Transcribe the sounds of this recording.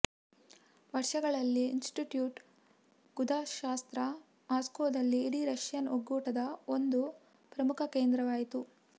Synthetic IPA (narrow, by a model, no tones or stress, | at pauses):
ʋɐɾʂɐɡɐɭɐlːiːnsʈiʈjuːʈ | ɡ̥ud̪aːʃaːst̪ɾɐ | aːskoːd̪ɐlːiːɽiɾɐʂjɐnoɡːuːʈɐd̪ɐo̞nd̪u | pɾɐmukʰɐke̞ːnd̪ɾɐʋaːjit̪u